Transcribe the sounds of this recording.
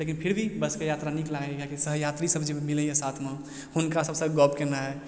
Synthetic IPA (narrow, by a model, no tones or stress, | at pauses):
lekinpʰiɾbʱibəskejat̪ɾaniklaɡekakisəɦjat̪ɾisəbʱd͡ʒemiləjɛ̃sat̪ʰme | hunkasəbsəɡɔbkenaɦɛ